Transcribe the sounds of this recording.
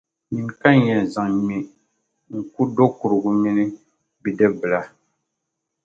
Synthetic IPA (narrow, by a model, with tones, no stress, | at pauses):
mi˨ŋka˦njɛ˨za˨ŋmi˨ | ŋ̩˨ku˦do˦ku˨ɾɨ˨ɡu˦mi˦ni˦ | bi˨dɛ˦bɨ˨la˨